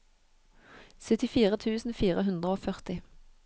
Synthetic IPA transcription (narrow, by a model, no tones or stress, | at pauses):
sœt̪ɪfiːʁət̪ʰʉːsn̩fiːʁəɦʉnd̪ʁəoːfœʁt̪ɪ